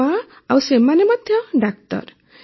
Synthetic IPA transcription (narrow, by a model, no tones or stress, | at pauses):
a | awsemanemɔd̪ʱjɔɖak̚t̪ɔ̰ɾ